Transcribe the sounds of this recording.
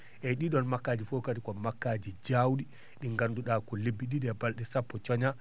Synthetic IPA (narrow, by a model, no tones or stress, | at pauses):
ʔɛɗiɗɔnmakːaːd͡ʒifokatikɔmakːaːd͡ʒid͡ʒawɗi | ɗiŋɡanduɗaːkɔlebːiɗiɗɛbalɗɛsapːɔt͡ʃɔɲa